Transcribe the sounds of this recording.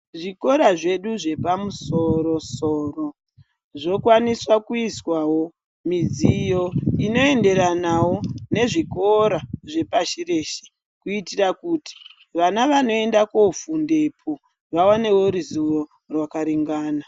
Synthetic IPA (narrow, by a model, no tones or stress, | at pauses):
ʐiko̞ɾaʐe̞ɗuʐe̞pamuso̞ɾo̞so̞ːro | ʐo̞kwaniswakuiswawo̞ | mid͡zijo̞ino̞e̞nde̞ɾanawo̞ne̞ʐiko̞ɾaʐe̞paʃire̞ʃe | kuitirakuti̥ | ʋanaʋano̞e̞ndako̞funde̞pʰo | ʋawane̞wo̞ɾuzuro̞ | rwakaɾiŋɡaːna